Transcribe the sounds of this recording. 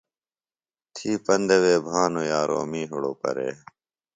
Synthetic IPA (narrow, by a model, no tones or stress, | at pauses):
t̪ʰiːpɐnd̪eweːbʱaːnoːjaːɾo̰ːmiːɦʊɽoːpɐ̰ɾḛː